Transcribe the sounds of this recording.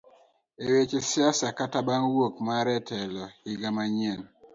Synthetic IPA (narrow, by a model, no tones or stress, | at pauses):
ewet͡ʃesjasakatabanwokmaɾɛtʰɛlɔhiɡamaɲɛn